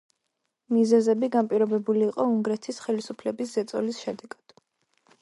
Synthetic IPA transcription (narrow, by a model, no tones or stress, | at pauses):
mizɛzɛbiɡanpʼiɾɔbɛbuliːqʼɔuŋɡɾɛt̪ʰisχɛlisupʰlɛbiszɛt̪sʼɔlisʃɛd̪ɛɡ̥ad̪̥